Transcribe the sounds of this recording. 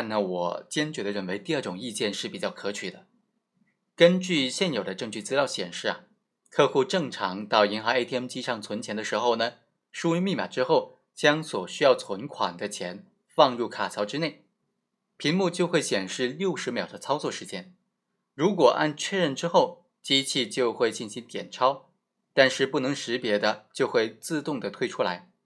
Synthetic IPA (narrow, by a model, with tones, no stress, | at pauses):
a˥˩nə˨˩wɔ̰˨˩t͡ɕjɛ˥nt͡ɕɥɛ˧˥d̪ə˧ɻə˥˩nwe˧˥ɪt̪i˥˧ə˥˩ʈ͡ʂʊ˨˩ŋi˥˧t͡ɕjɛ˥˧nʂɻ̩˥˩pi˨˩t͡ɕjɑ˥˩ʊkʰɤ˧˥t͡ɕʰy˨˩d̪ə˦ | kə˥nt͡ɕy˥˧ɕjɛ˥˩njo˨˩ʊd̪ə˦ʈ͡ʂɤ˥˧ŋt͡ɕy˥˩t͡sɹ̩˥ljɑ˥˩ʊɕjɛ̰˨˩nʂɻ̩˥˩ɐ˩ | kʰɤ˥˧xu˥˧ʈ͡ʂɤ˥˩ŋʈ͡ʂʰɑ˧˥ŋt̪ɑ˥˩ʊi˧˥ŋxɑ˧˥ŋe˥ɪt̪ʰi˥˧ɛ˥mt͡ɕi˥ʂɑ˥˩ŋt͡sʰwə˧˥nt͡ɕʰjɛ˧˥nd̪ə˧ʂɻ̩˧˥xo˥˩ʊnə˩ | ʂu˥y˥mi˥˩ma̰˨˩ʈ͡ʂɻ̩˥xo˥˩ʊ | t͡ɕjɑ˥ŋswɔ˨˩ɕy˥jɑ˥˩ʊt͡sʰwə˧˥nkʰwa̰˨˩nd̪ə˦t͡ɕʰjɛ˧˥n | fɑ˥˧ŋɻu˥˩kʰa˨˩t͡sʰɑ˧˥ʊʈ͡ʂɻ̩˥ne˥˩ɪ | pʰi˧˥ŋmu˥˧t͡ɕjo˥˧ʊxwe˥˩ɪɕjɛ˨˩nʂɻ̩˥˧ljo˥˩ʊʂɻ̩˧˥mjɑ˨˩d̪ə˦t͡sʰɑ˥ʊt͡swɔ˥˩ʂɻ̩˧˥t͡ɕjɛ˥n | ɻu˧˥kwɔ˨˩ʔa̰˥˧nt͡ɕʰɥɛ˥˧ɻə˥˩nʈ͡ʂɻ̩˥xo˥˩ʊ | t͡ɕi˥t͡ɕʰi˥˧t͡ɕjo˥˧ʊxwe˥˧ɪt͡ɕi˥˩nɕi˧˥ŋnt̪jɛ˨˩nʈ͡ʂʰɑ˥ʊ | t̪a˥˧nʂɻ̩˥˧pu˥˩nɤ˧˥ŋʂɻ̩˧˥pjɛ˧˥d̪ə˧t͡ɕjo˥˧ʊxwe˥˧ɪt͡sɹ̩˥˧t̪ʊ˥˩ŋd̪ə˩t̪ʰwe˥˧ɪʈ͡ʂʰu˥la̰˧˥ɪ